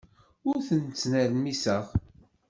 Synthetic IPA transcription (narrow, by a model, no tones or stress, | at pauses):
ʊɾθənt͡sːnæɾmisəʁ